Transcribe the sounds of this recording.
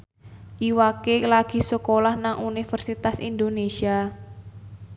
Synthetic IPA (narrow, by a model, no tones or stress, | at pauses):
ʔiwakelaɡ̥i̤səkolahnaŋunifərsit̪asḭnd̪onesia